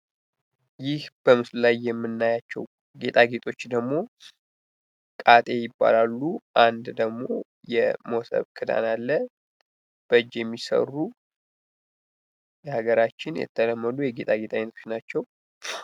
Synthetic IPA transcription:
jɪhb̥əmɨsllajːɛmːɨnːajat͡ʃːɛ̰w | ɡe̞t̪ʼaɡe̞t̪ʼo̞t͡ʃːd̪əɡmo̞ | kʼat̪ʼe̞jɪbːa̰lalːuʔand̪d̪əɡmo̞ | jɛmowsə̰βkʰɨd̪a̰nalːə | b̥əd͡ʒjɛmːisə̰rːu | jɛhaɡəɾat͡ʃːɪnjɛ̰t̪ʰːələmːəlujɛɡe̞t̪ʼaɡe̞t̪ʰʼajɛnət̪ʰot͡ʃnat͡ʃːɛw

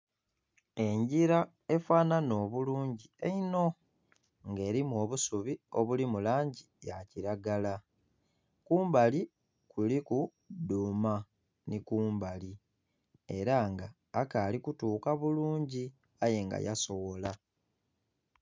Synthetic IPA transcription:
e̞ɲɟiɾa | e̞faːnano̞ːβuluːɲɟieino̞ | ŋɡe̞ːɾimuo̞ːβusuβio̞βulimulaːɲɟija̰ciɾaɡala | kuːmbali | kuliku | duːma | nikuːmbali | e̞ɾaŋɡaː | kaːlikutuːkaβuluːɲɟi | aje̞ŋɡa̰ja̰so̞wo̞la

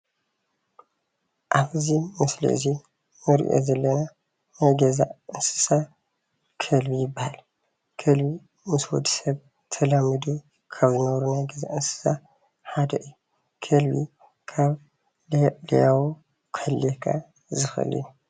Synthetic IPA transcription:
ʔaβɨzimɨslḭʔɨ̰zi | nɨɾ̰ʔo̰zɐlːɐna | najɡɐza̰ʔɨnsɨ̥sa | kʰɐlbijɪbːahal | kʰɐlbi | mɨswɔ̰d̪i̥sɐβ | t̪ʰɐlamɨd̪u | kʰaβzɨnɐβɾunajɡɐza̰ʔɨnsɨ̥sa | ħad̪ɐ̰ʔɨjːu | kʰɐlbi | kʰaβ | lijawu | kʰɐlːekʰa | zɨxɐ̰ɨ̰lḭju

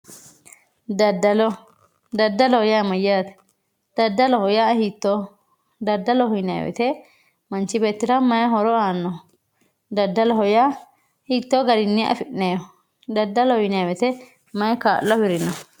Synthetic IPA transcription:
d̪ɐd̪ɐlɔ | d̪ɐd̪ːɐlɔhɔjamɐjaːt̪ɛ̥ | d̪̥ɐd̪ːɐlɔhɔjahit̪ːo | d̪ɐd̪ːɐlɔhʊjnɛja̰wɛ̰t̪ɛ | mɐnt͡ʃɪbeːt̪ːɪɾɐmɐjɦɔɾɔaːnːɔ | d̪ɐd̪ːɐlɔɦɔja | hit̪ːoːɡɐɾɪnːɪʔɐ̰fɪʔneɔ | d̪ɐd̪ːɐlɔhɔjnɐjawɛt̪ɛ | mɐjka̰ːlːɔbɪɾɪnːɔ

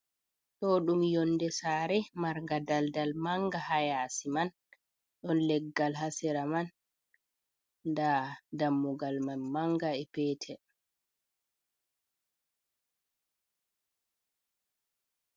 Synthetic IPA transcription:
tɔɗumjɔnːdɛsaːɾɛmaɾŋɡadaldalmaŋɡahajaːsiman | ɗɔnlɛɡːalɦasɛɾaman | dadamːuɡalmanmaŋɡaɛpɛːtʰɛ

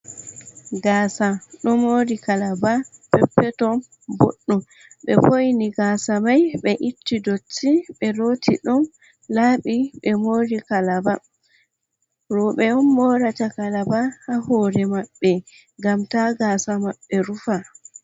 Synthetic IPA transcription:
ɡaːsaɗɔmoːɾikalabapɛpːɛtɔ | bo̰ɗːu | ɓɛ̰fojniɡaːsamajɓɛʔitːidot͡ʃːiɓɛɾoːtʰiɗɔn | laːɓiɓɛmoːɾikalaba | ɾɔɓɛɔnːɔɾatakalabahahɔːɾɛmaɓːɛ | ɡamtaɡaːsamaɓːɛɾufa

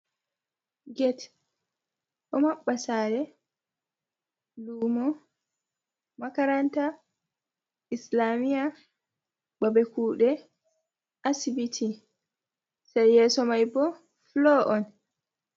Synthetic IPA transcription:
ɡɛt | ʔɔmaɓːasaːɾɛ | luːmɔ | makaɾanta | islamija | babɛkuːɗɛ | ʔasibitʰi | sajːɛːsɔmajbɔ | flɔʔɔn

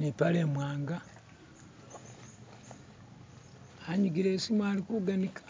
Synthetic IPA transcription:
nipaleːmwaːŋɡa | aɲuɡiɾeːsimwaːlikuɡanikḁ

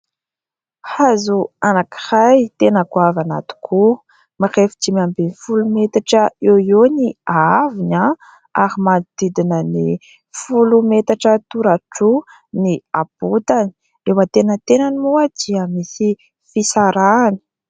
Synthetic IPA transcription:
hazuanaki̥hajt̪enəkuavana̰t̪u̥kʰu | maχefd͡ʒimambenifulumet̪aʈ͡ʂəeoniaavina | aɾimanid̪id̪inəni | fulumet̪aʈ͡ʂət̪uɾaʈ͡ʂu | niaput̪ani̥ | ewat̪enət̪enanimuad̪iəmisi | fisaɾani̥

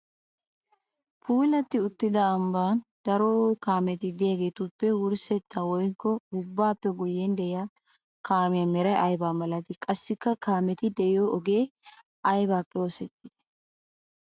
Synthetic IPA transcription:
pʰuːlɐt̪ːɪʊt̪ːɪd̪ɐːmbaːnd̪ɐɾokaːmɛt̪ɪd̪jeɡeːt̪ʊpːɛwʊɾsɛt̪ːɐwɔjkːɔʊbːaːpːɛɡʊjːɛnd̪ɛɪjaː | kʰaːmɪjɐmɛɾɐʔɐjbaːmɐlɐt̪ɪkʼɐsːɪkːɐkʰaːmɛt̪ɪd̪ɛjoːʔɔɡeː | ʔɐjbaːpːɛoːsɛt̪ːɪ̥d̪̥ɛ̥

